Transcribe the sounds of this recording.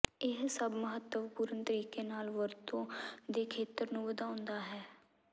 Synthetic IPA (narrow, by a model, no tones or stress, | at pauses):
ɪɦsəbməɦət̪ːəʋpuːɾənt̪əɾiːkeːnaːlʋəɾt̪õːd̪eːkʰeːt̪əɾnũːbəd̪aːʊnd̪aːɦɛː